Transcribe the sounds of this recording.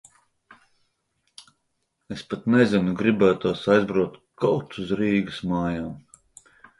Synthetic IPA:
espat̪nɛzinuɡɾibæːt̪uɔsajzbɾuɔt̪kɔwt̪uzɾiːɡɨsmaːjaːm

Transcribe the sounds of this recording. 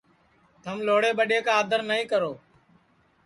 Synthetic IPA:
t̪əmloːɽeːɓəɗeːkãːd̪ʱəɾnəĩːkəɾoː

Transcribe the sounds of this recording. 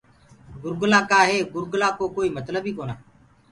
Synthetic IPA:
ɡʊɾɡlaːkaːɦeːɡʊɾɡlaːkoːkoːiːmət̪ləbiːkoːnaː

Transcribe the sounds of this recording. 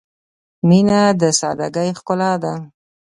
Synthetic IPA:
minad̪əsɑ̰d̪aɡajxkʊlɑd̪a

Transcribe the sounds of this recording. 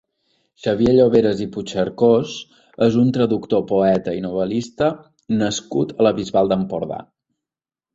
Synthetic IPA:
ʃəβjeʎoβeɾəziput͡ʃəɾkos | ezunt̪ɾəðukt̪opuɛt̪əinuβ̞əlist̪ə | nəskut̪ələβizβalˠd̪əmpuɾða̰

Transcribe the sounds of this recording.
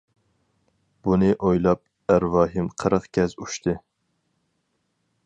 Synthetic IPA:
b̥unɪʔojlˠɑp̚ | æɾvɑːɦɪmqʰəɾəqkʲɛzuʃt̪ʰɪ

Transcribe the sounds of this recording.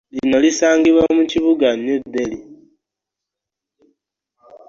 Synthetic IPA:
lino̞lisaːŋɡiβwamuciβuɡanud̪eli

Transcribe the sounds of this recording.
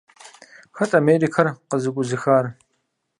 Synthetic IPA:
xɐtʼameːriːkʰɐrqəzɨkʷʼʊzɨxaːr

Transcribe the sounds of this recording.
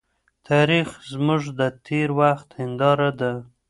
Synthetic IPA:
t̪ʰɑɾixzmʊʐd̪ət̪ʰeɾwaxt̪hɪnd̪ɑɾad̪a

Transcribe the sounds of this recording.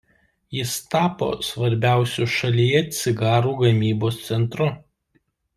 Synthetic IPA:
jɪst̪ɑːpo̰ːsʋɐɾʲbʲæˑʊsʲuʃɐlʲijɛt̪ʲsʲɪɡɑːɾuːɡɐmʲiːboːst̪sʲɛnt̪ɾʊ

